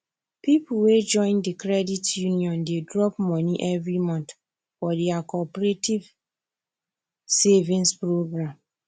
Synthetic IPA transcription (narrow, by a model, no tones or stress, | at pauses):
pipuwed͡ʒɔ̃ɪ̃ndikɹɛditjuniɔ̃ndedɹɔpmɔ̃niʔɛvɹimɔ̃nt | fɔdɛakɔpɹetʰiv | sevĩnspɹoɡɹãm